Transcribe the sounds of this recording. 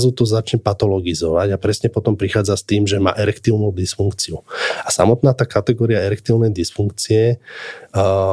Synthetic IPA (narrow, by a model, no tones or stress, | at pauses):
zut̪ɔzat͡ʃɲɛpat̪ɔlɔɡizɔʋaɟapɾɛsɲɛpɔt̪ɔmpɾixaːd͡zast̪iːmʒɛma̰ːʔɛɾɛkt̪iːʊnuːd̪isfuŋkt͡siuasa̰mɔt̪naːt̪aːkat̪ɛɡɔːɾiaɛɾɛkt̪iːʊnɛjd̪isfuŋkt͡siɛ